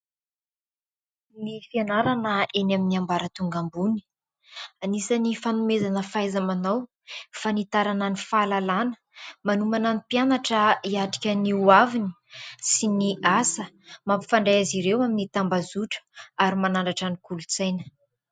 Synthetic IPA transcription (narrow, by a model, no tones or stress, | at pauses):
nifianaɾanəenaminiambaɾət̪uŋɡambuni̥ | anisanifanumezanəfajzamanaw | fanit̪aɾananifalalanə̥ | manumananipianaʈ͡ʂəiaʈ͡ʂi̥kʲəniuavini̥ | siniʔasə | mapi̥faɳɖ͡ʐajaziɾewaminit̪ambazuʈ͡ʂə̥aɾimanaɳɖ͡ʐaʈ͡ʂanikulut͡sajnə̥